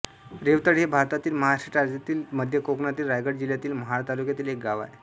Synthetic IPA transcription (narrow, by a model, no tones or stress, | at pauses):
ɾeʋt̪əɽɦebʱaɾt̪at̪iːlməɦaʂiʈaɾat̪iːlməd̪ʱjəkokɳat̪iːlɾajɡəɽd͡ʑiljat̪iːlməɦaɾt̪alukjat̪iːlek̚ɡaʋa̰j